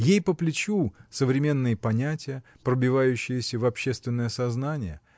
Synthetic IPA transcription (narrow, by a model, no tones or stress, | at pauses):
jejpəplʲɪt͡ɕusəvɾʲɪmʲe̞nːɨjəpɐnʲætʲɪjə | pɾəbʲɪvajʉɕːɪjəsʲəvɐpɕːest̪vʲɪnːəjəsɐznanʲɪjə